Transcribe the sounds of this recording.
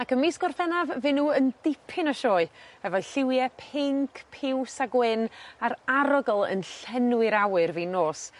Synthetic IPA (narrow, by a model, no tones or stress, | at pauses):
akəmiskɔrfɛnavvɨnːuːəndɪpʰɪnɔʃɔːɨhɛvɔjɬɪwjɛpʰɪŋkʰpʰɪwsaɡwɪnaɾaɾɔɡɔlˠə̰nɬɛnwɨɾawɨrvinoːs